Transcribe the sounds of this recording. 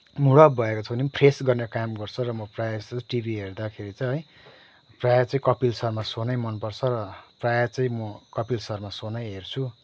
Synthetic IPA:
muɽʌp̚bʱʌekot͡sʰʌbʱʌnimpresɡʌrnekamɡʌrt͡sʰʌrʌmʌprajasʈibʱiɦerd̪akʰeɾit͡sʌj̃ɦʌj | prajat͡sʌĩkʌpilsʌrmasonajmʌnpʌrt͡sʰʌɾʌprajat͡sʌĩmʌkʌpilsʌrmasonajɦert͡sʰu

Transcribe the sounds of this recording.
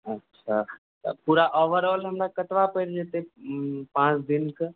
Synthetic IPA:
ətːʃʰa | t̪ə̰puɾaʔɔʋəɾɔlɦəmɾakət̪ʋapəɾd͡ʒet̪epãt͡ʃd̪ink

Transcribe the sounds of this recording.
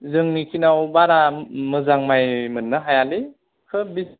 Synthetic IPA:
zɯŋnikʰinawbaɾamɯzaŋmajmɯnːɯɦajali | kʰɯbi

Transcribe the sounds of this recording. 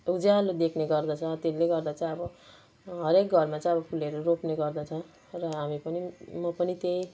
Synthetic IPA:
ud͡zalod̪ekʰneɡʌrd̪ʌt͡sʰʌt̪eleɡʌrd̪at͡sʌ̃ʌbʌ | ɦʌɾekɡʱʌrmat͡sʌ̃j̃ʌbʌkʰuleɾoropneɡʌrd̪ʌt͡sʰʌ | rʌɦamipʌnimʌpʌnit̪ej

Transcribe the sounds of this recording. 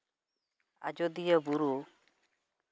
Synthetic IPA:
a̰d͡ʒɔd̪ijəbuɾu

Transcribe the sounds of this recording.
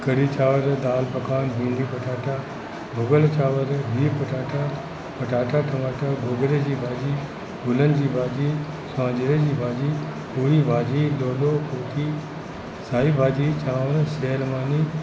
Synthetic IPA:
kɐɾit͡ɕaːʋəɾd̪aːlpɐkaːnbʱĩːɳɖd̪iːpɐʈʰaːʈa | bʱʊɡəlt͡ɕaːʋəɾbiːpɐʈaːʈa | pɐʈaːʈʰaʈʰɐmaːʈaɡʱoːɡɾed͡ʑiːbʱaːd͡ʑiː | ɡʊlənɪ̆d͡ʑiːbʱaːd͡ʑiː | sãːd͡ʑɾeːd͡ʑiːbʱaːd͡ʑi | uɾibʱaːd͡ʑiːɗoːloːkʰuːt̪i | saːibʱaːd͡ʑit͡ɕaːʋəñseːlmaːniː

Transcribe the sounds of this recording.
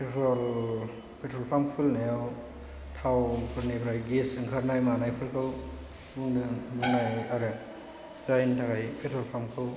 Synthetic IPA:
pʰetʰɾol | pʰetʰɾɔlpʰampʰulnajaw | tʰawŋpʰuɾnijbɾajɡesɯŋkʰaɾnajmanajpʰɯlkʰɯw | buŋdɯbuŋnajaɾɯ | d͡ʒajntʰakʰajpʰetʰɾɔlpʰamkʰɯw

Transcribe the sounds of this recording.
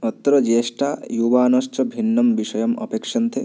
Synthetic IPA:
ɔt̪ːɔɾɔd͡ʒesʈajubaːnɔʃt͡ʃɔbʱinːɔmbiʃɔjɔmɔ̰pekʃɐnt̪ʰe

